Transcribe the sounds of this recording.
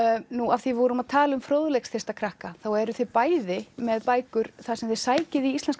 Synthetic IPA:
nuafθivɔɾʏmaðt̪ʰaːlaʏmfɾoːwðʏlɛksθɛ̥rst̪akʰɾahkaθawɛɾʏθɪpaːjðɪmɛðpaːjkʏɾ̥θasɛmθɪɾsaːjcɪðiist̪lɛnsk

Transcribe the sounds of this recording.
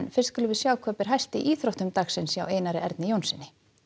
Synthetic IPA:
nfɪɾ̥st̪kʏlʏvɪsjaːwkʰvapɪɾ̥ɦajst̪ɪ̰ʔiːθɾowht̪ʏmt̪axsɪnsjaːweːjnaɾɪʔɛ̰ɾt̪nɪjownsɪnːɪ

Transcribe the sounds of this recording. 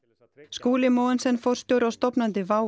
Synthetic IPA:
skuːlɪmɔwɛnsɛnːfɔwɾ̥st̪jowɾawst̪ɔpnant̪ɪvaːw

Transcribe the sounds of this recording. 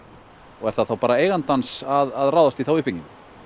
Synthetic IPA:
ɔɣɛɾ̥θaðθawpaːɾaeːjɣant̪ansaðaðraːwðast̪iθawʏhpiɲcɪn

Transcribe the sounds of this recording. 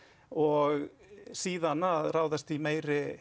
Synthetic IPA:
ɔɣ | siːðanaðraːwðast̪imeːjɾɪ

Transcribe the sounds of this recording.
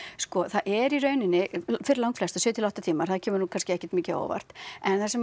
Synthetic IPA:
skɔθaðʔɛɾirœːɥnɪnːɪfɪɾɪlawŋkflɛst̪asʏːt̪ʰɪlawht̪at̪ʰiːmaɾ̥θaðcʰɛːmʏɾnukʰanscɪɛhcɛ̥ɾt̪miːcɪo̰ːwva̰r̥t̪ɛnθasɛm

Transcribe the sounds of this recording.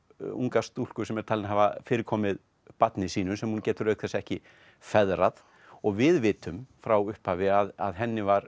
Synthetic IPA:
ṵŋkast̪ul̥kʏsɛmɛɾ̥t̪ʰalɪnɦaːvafɪːɾɪɾkʰɔːmɪð | pat̪nɪsiːnʏsɛmhuncɛːt̪ʏɾœːɥk̚θɛsɛhcɪ | fɛðɾað | ɔɣvɪðvɪːt̪ʏmfɾawʏhphaːvɪaða̰ðɦɛnːɪvaɾ

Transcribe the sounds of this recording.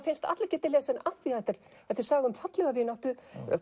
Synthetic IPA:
fɪnst̪a̰t̪lacɛːt̪ɪleːsɛnaθiat̪ɪɾ̥ | θɛft̪ɪɾ̥saːɣʏmfat̪lɛɣavɪːnaht̪ʏ

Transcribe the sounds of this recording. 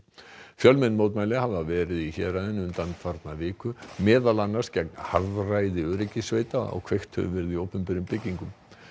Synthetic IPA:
fjœlmɛnːmowt̪̬majlɪɦavavɛːɾɪðiçɛːɾaðɪnʏmt̪anːfaɾt̪navɪːkʏmɛːðalanːḁscɛk̚nhaɾvraːjðɪœːɾɪcɪsveːjt̪aɔ̰ɣkʰv̥ejxt̪hœ̰vʏvɛɾɪðioːwpʏmpɪɾʏmpɪcːiŋkʏm

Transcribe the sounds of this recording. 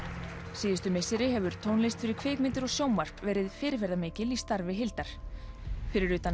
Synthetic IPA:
siːðɪst̪ʏmejsɪɾɪɦɛvʏɾ̥t̪ʰoːwnlejst̪fɪɾɪɾ̥kʰveːkmɪnt̪ɪɾɔɣsjowmvar̥pvɛːɾɪðfɪːɾɪf̬ɛɾðameːcɪlist̪aɾvɪɦɪlt̪aɾ̥ | fɪɾɪɾʏːt̪an

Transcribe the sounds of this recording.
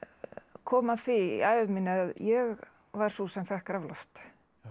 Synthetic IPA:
kʰɔːmaðθvḭaːjvmɪnɪaðjɛɣ | vaɾ̥susɛmfɛhkɾavlast̪

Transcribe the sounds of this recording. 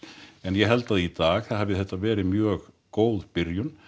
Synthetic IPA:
ɛnjɛɣɦɛlt̪aðit̪aːɣθaðhavɪðθɛht̪ːavɛːɾɪmjœːɣ | koːwðpɪɾjʏn

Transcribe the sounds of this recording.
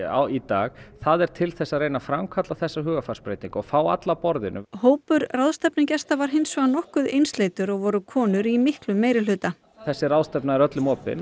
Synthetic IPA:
a̰it̪aːɣθaðɛɾ̥t̪ʰɪlθɛsːaðɾrejnafɾamkʰat̪laθɛsːaɦʏːɣafarspɾeːjt̪niŋkɔɣfaːwa̰t̪lapɔɾðɪ̰nʏ̰hoːwpʏɾraðst̪ɛpnɪcɛst̪avaɾ̥ɦejnsœɣanɔhkʏðejnst̪leːjt̪ʏɾɔɣvɔɾʏkʰɔːnʏɾimɪhklʏmːeːjɾɪlʏːt̪a | θɛsːɪɾawðst̪ɛpnaɛɾœt̪lʏmɔːpɪ̰n

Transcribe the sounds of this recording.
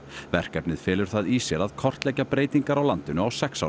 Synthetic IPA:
vɛr̥kɛpnɪðfɛːlʏɾ̥θaðisjɛɾaðkʰɔr̥t̪lɛcapɾeːjt̪iŋkaɾawlant̪ɪnʏawsɛksa

